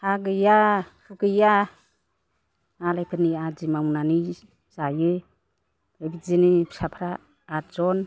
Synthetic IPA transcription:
haɡɯjahʰukɯja | alajpʰɯniazimawnani | zajɯ | ebizinipʰsapʰɾaː | ɾzɔn

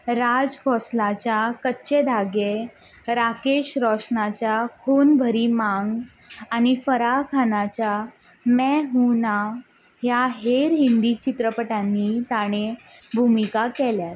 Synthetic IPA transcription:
ɾad͡zkʰɔslat͡ɕjakətːɕed̪ʱaɡe | ɾakeɕɾɔʂnat͡ɕjakʰonbʱəɾiːmaŋɡː | ñifəɾakʰanat͡ɕja | mɛɦuna | ɦjaɦeɾɦind̪it͡ɕit̪ɾəpəʈanːit̪aɽ̃ebʱumikakɛljaɾ

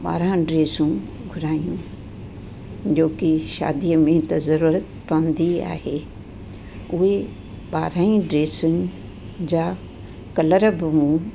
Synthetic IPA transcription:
ɓa̰ːɾãɖɾeːsũ | ɡʱʊɾaːijũ | d͡ʑoːkiʃa̰ːd̪ijəmẽt̪ɐzɐɾuːɾət̪pɐʋə̃nd̪ia̰ːɦeː | ʊɦe | ɓaːɾaːĩɖɾeːsʊnɪ̆ | d͡ʑaː | kɐləɾəbɪmũ

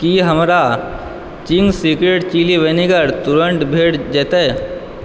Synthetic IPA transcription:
kiɦɐmɾa | t͡ʃɪŋɡsikɾeʈt͡ʃiːliʋeniɡəɾt̪ʊɾəɳʈbʱeːɽd͡ʒɛːt̪a

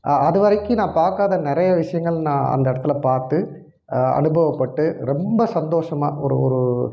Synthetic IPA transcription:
ɐðɯʋɐɾɐkːɯnãːpaːɾkaːðɐnɪɾɐjɐʋɪʂɐjɐŋɡɐɭnãːɐ̰nd̪ɐɪɽɐt̪ːɪlɐpaːɾt̪ɯ | ɐ̰nɯbɐʋɐpːɐʈːɯɾɛmbɐsɐnd̪oːʂɐma̰ːʔɔ̰ɾɯɔ̰ɾɯ

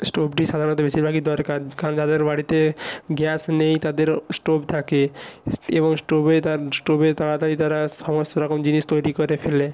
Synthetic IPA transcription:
sʈobʈiʃad̪ʱaɾɔnt̪ɔbesiɾbʱaɡid̪ɔɾkaɾkaɾɔnd͡ʑad̪eɾbaɽit̪eɡɛsnejt̪ad̪eɾsʈobt̪ʰake | eβɔŋsʈobet̪aɾsʈobet̪alat̪alit̪aɾasɔmɔst̪oɾɔkɔmd͡ʑinist̪ojɾikɔɾepʰele

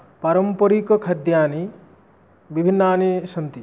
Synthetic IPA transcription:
paɾɔmpɔɾikɔkʰɐd̪jaːni | bibʱinːaːniʃɐnt̪i

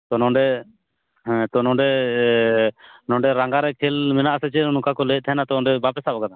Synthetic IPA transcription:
t̪ɔnɔ̃ɖɛ | ɛ̃t̪ɔnɔ̃ɖɛ | nɔ̃ɖɛɾaŋɡaɾɛkʰɛlmɛnaʔsɛt͡ʃɛɔnukakɔlɛˀt̪ʰaɦɛnat̪ɔɔ̃ɖɛbapɛsabɔkad̪a

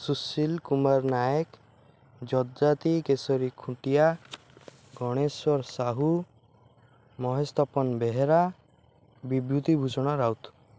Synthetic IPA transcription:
susilkumaɾnajek | d͡ʒɔd̪d͡ʒat̪ikesɔɾikʰũʈija | ɡɔɽ̃eswɔɾsaɦu | mɔɦest̪ɔpɔnbeɦeɾa | bibɾut̪ibʱusɔɽ̃ɔɾawt̪

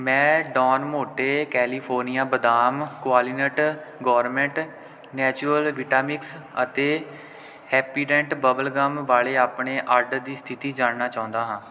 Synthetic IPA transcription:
mɛ̃ːɖɔːnmoːʈeːkɛːliːpʰoːɾnɪjaːbəd̪aːmkʊaːlinəʈɡɔːɾmɛ̃ɳʈ | nɛːt͡ʃʊɾəlʋɪʈaːmɪksət̪eː | hɛːpiːɾɛ̃ɳʈbəbəlɡəmʋaːleːaːpɳeːʔaɾɖd̪iːst̪ʰɪt̪iːd͡ʒaːɳnaːt͡ʃaːʊ̃nd̪aːɦãː

